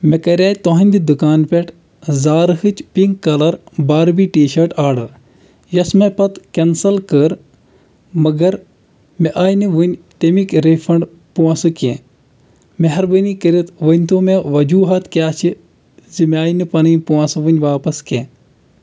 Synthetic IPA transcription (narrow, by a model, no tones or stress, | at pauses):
mekɐɾʲaːt̪oɦɐnʲd̪id̪ukaːnpʲeʈʰ | zaːɾɦɨt͡ʃpiŋkkːɐlɐɾbaːɾbiʈiːʃɐɾʈʰaːɽɨ | jɐsmepɐt̪kensɐlkəɾ | mɐɡɐɾ | meʔaːjnɨʋunʲt̪emikɾefʰɐɳɖ | puɐ̃sɨkẽː | meɦɐɾbɨnikəɾit̪ʋənʲt̪ʰoːmeʋɐd͡ʒuːɦɐt̪kʲaːt͡ʃʰi | zɨmʲaːjnɨpɐnɨːpuɐ̃sɨʋɨnʲʋaːpɐskẽː